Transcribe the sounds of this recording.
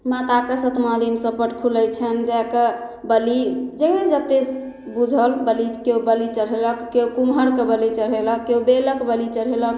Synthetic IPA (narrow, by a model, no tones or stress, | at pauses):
mat̪akesət̪mad̪ʱimsə̃pəʈkʰuləjt͡ʃʰənd͡ʒɛkə | bəlid͡ʒeɦẽd͡ʒət̪es | bud͡ʒʱəlbəlikeubəlit͡ʃəɽɦeləkːeokumɦəɾkebəlit͡ʃəɽɦeləkːeubeləkbəlit͡ʃəɽɦelək